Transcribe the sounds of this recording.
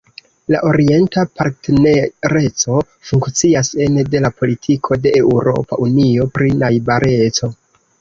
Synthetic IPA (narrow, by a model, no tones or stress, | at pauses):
la̰ʔo̞ɾie̞ntapaɾtneɾe̞t͡so̞ | fuŋkt͡siase̞nde̞lapo̞litʰikʰo̞de̞ʔːwɾo̞̰pa̰ʔunio̞pɾinajbaɾʔe̞t͡so̞